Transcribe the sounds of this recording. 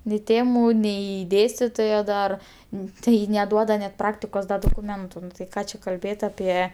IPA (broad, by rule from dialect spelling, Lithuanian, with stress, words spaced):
nʲɪ ˈtʲeːmʊ nʲɛɪ ˈdʲeːsʲtʲɪtoːjoː dɐr ˈnʊ tɐɪ nʲɛˈduɔdɐ nʲɛt ˈprɑːktʲɪkoːs dɐ doːkʊˈmʲɛntʊ nʊ tɐɪ ˈkɑː t͡ʃʲɛ kɐlʲˈbʲeːt ɐˈpʲiɛ